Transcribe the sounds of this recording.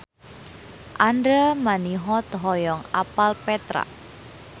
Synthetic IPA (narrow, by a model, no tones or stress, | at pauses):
ʔandɾamaniɦɔt̪əɦɔjɔŋapalpɛt̪ɾa̰